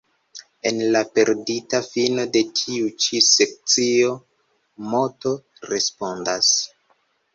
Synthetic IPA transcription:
e̞nlape̞ɾditafino̞de̞tʰiut͡ʃise̞k̚t͡sio̞ | mo̞to̞ | ɾe̞spo̞ndas

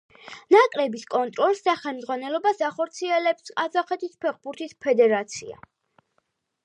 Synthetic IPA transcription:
nakʼɾɛbiskʼɔnt̪ʼɾɔlˠsd̪aχɛlmd̪zʁwanɛlɔbasaχɔɾt̪sʰiɛlɛpskʼazaχɛt̪ʰispʰɛɾχbuɾt̪ʰispʰɛd̪ɛɾat̪sʰḭa̰

